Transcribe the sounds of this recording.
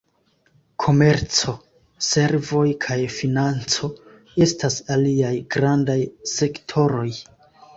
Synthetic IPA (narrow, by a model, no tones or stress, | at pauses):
kʰo̞me̞ɾt͡so̞ | se̞ɾvo̞jkʰajfinant͡so̞ | e̞stasaliajɡɾandajse̞ktʰo̞ɾo̞j